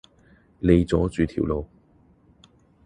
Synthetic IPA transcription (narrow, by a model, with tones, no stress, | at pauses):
le˨˧jt͡sɔː˨˥t͡syː˨t̪ʰḭ˨˩wlo˨˧w